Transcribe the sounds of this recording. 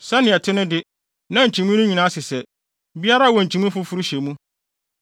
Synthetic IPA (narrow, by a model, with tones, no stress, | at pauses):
sɛ˦nɪ̃˨ɛ˨tʰɪ˦nɪ̃˦dɪ˦ | nã˦ɲ̩˨t͡ɕʰĩ˨mũ˦nʊ̃˦ɲĩ˨nã˦sɪ˨sɛ˨ | bi˦a˦ɾa˦˨wɔ̃˨ɲ̩˨t͡ɕʰĩ˨mũ˦fʊ˦fʊ˦ɾu˦ɕɛ˨mũ˦